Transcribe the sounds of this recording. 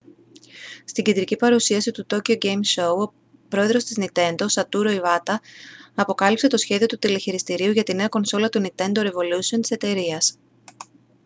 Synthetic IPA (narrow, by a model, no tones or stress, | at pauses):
st̪iɟend̪ɾicipɐɾusiɐsit̪ut̪o̞cioɟejmso̞uo̞ | pɾo̞e̞ðɾo̞st̪iznit̪e̞nd̪o̞sɐt̪uɾo̞ivɐt̪ɐɐpo̞kɐlipse̞t̪osçe̞ðio̞t̪ut̪ileçiɾist̪iɾiuʝɐt̪ine̞ɐko̞nso̞lɐt̪unit̪e̞nd̪o̞ɾe̞vo̞lusiont̪i̥se̞t̪e̞ɾiɐs